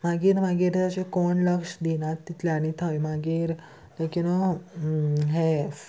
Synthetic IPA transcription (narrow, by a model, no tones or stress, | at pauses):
maɡiːɾmaɡiːɾt̪at͡ɕekɔɳləkʂd̪inãt̪ːit̪leaɽ̃it̪ʰajmaɡiːɾ | lekin | ɦe